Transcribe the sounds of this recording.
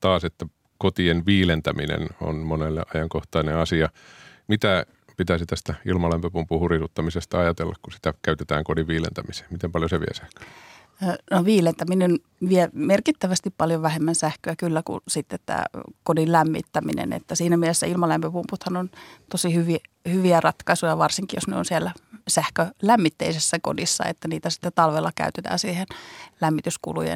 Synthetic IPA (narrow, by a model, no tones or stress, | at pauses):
t̪ɑːset̪ːæ | kot̪ienʋiːlent̪æmḭnḛno̰nmonelːḛʔɑjɑŋkoht̪ɑineɑsiɑmit̪æ | pit̪æsit̪æst̪æilmɑlæmpøpumpuhurisut̪ːɑmisest̪ɑɑjɑt̪ḛlːɑ̰kkusi̥t̪ækæyt̪et̪æ̰ːŋkodiʋʋiːlḛnt̪æmise̥ːmmit̪empɑljoseʋḭæ̰sæhkø̥ | noʋiːlent̪æminen | ʋiɛmerkit̪ːæʋæst̪ippɑljoʋæhemːænsæhkøækylːækṵsit̪ːet̪t̪æ̰ːkodillæmːḭt̪ːæmḭnḛnḛt̪ːæsiːnæmielesːæilmɑlæmpøpumput̪hɑnont̪osihyʋi | hyʋiærɑt̪kɑisujɑʋɑrsiŋkijosnyo̰nsiɛlːæsæhkølæmːit̪ːeisesːæko̰disːɑ̰ḛt̪ːæniːt̪æsi̥t̪ːett̪ɑlʋelːɑkæ̰yt̪et̪æ̰ːnsiːhenlæmːit̪yskṵlṵjḛn